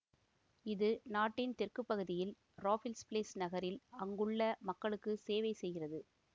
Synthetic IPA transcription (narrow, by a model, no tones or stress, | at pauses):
ɪðɯnaːʈːɪnt̪ɪrkɯpːɐɣɯðɪjɪl | ɾoːfɪlspleːsnɐɣɐɾɪlɐŋɡɯɭːɐmɐkːɐɭɯkːɯseːʋɐɪsɛjɣɪrɐðɯ